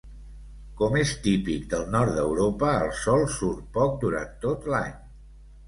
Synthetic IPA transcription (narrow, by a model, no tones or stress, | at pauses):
kɔmest̪ipikd̪əlˠnɔɾt̪d̪əwɾopəːlˠsɔlˠsuɾpɔk̚d̪uɾa̰nt̪ot̪laɲ